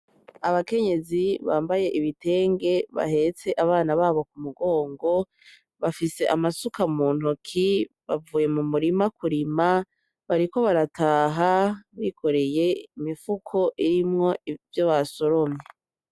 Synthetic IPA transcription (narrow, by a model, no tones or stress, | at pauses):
aβake̞ɲe̞ziβa̰ːmbaje̞ʔiβite̞ːŋɡe̞βa̰he̞t͡se̞ʔaβaːnaβaːβo̞kumuɡo̞ːŋɡo̞ | βafise̞ʔamasukamuːn̥hukʰi | βavuːje̞mumuɾimakuɾima | βaɾikoβaɾatʰaːɦaβikʰo̞ɾe̞je̞imifukʰo̞ʔiɾimŋo̞ivjoβaso̞ɾo̞mɲe